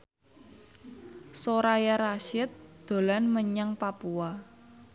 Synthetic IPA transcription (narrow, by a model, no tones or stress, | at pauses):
soɾajaɾaʃɪt̪̚d̪̥o̤lanməɲaŋpapua